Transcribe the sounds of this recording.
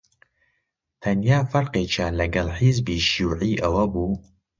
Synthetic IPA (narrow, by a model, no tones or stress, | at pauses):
t̪ʰɐnjaːfɐɾqeːt͡ʃʰaːlɐɡɐlħizbiːʃuːʕiːʔɐwɐbuː